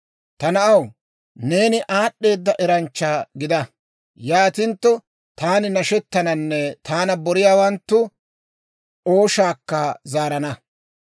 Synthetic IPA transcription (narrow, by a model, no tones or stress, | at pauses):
t̪ɐnɐʔɐw | ne̞ːnɪʔaːɗːe̞ːd̪ːɐʔɛɾɐnt͡ʃːaːɡɪd̪ɐ | jaːt̪ɪnt̪ːɔ | t̪aːnɪnɐʃɛt̪ːɐnɐnːɛt̪ʰaːnɐbɔɾɪjaːwɐnt̪ːʊ | o̞ːʃaːkːɐzaːɾɐnɐ